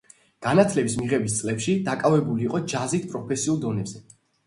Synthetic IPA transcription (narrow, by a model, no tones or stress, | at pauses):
ɡ̥anat̪ʰlɛbismiʁɛbis̬t̪sʼlɛpʃid̪akʼavɛbuliːqʼɔd͡ʒazit̪̚ʰpʼɾɔpʰɛsiulˠd̪ɔnɛbzɛ